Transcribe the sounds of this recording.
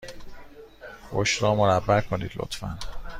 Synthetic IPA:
oʃɾɒːmoɾæbːæɾkʰoniːd̪̥lo̰t̪fæ̰n

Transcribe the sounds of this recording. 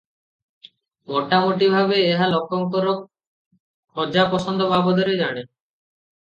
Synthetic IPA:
mɔʈːamoʈibʱabeeɦalɔkːɔŋkoɾok̚ | ɔd͡ʒapɔsɔnd̪ʱobʱabod̪oɾed͡ʒaɽ̃e

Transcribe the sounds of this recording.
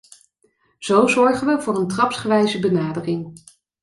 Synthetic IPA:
z̥owzɔɹχənʋəvʊːrəntrɑpsχəʋɛjzəbənaːdərɪŋ

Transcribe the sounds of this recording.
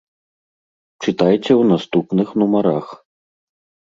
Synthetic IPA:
t͡ʂɨt̪ajt͡sʲɛwnast̪upnɨxnumaɾax

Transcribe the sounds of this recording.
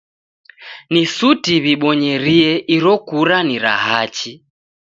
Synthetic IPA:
nisutiβiɓɔɲɛɾiɛʔiɾɔkuɾaniɾa̰ɦat͡ʃi

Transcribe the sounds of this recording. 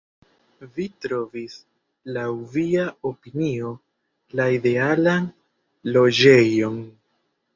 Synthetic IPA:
vitɾo̞vis | lawviaopinio̞ | laide̞alan | lo̞d͡ʒe̞jo̞n

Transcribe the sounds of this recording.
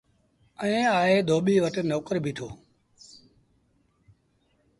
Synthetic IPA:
əẽːaːɦeːd̪ʱoːɓiːʋəʈnoːkəɾbʱiːʈʰoː

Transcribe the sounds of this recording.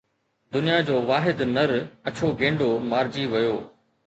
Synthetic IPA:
d̪ʊnijad͡ʑoːʋaːɦɪd̪nɐɾɐt͡ɕʰoɡẽːɳɖomaːɾd͡ʑiʋɐjoː

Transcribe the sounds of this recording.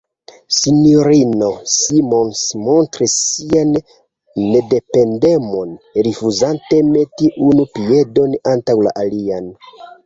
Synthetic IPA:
sinioɾino̞simo̞nsmo̞ntɾisːianː | e̞de̞pe̞nde̞mo̞nɾifuzante̞me̞tiʔunupie̞do̞nantawla̰ʔalian

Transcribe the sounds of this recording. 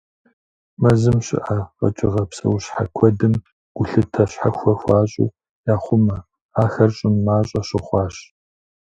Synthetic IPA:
mɐzɨmɕɪ̰ʔɐqɐ̰t͡ʃʼɪ̰ʁɐpsɐ̰wɕħa̰kʷʰɔdɨm | ɡ̥ʷʊɬɨtʰɐɕħaxʷɔxʷɑːɕʼṵː | jaːχʷʊmɐ | aːxɐrɕʼɪmːaːɕʼɐɕɪχʷɑːɕ

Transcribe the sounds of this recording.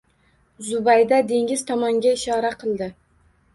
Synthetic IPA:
zʊbajd̪ad̪e̞ŋʲɪz̥t̪ʰɒmɒŋɡʲaɪʃɒɾaqʰɨlˠd̪ɪ

